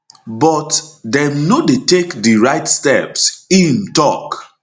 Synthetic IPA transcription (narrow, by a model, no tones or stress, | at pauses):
bɔtdɛ̃mnodetekdiɹaɪtstɛ̰psimtɔk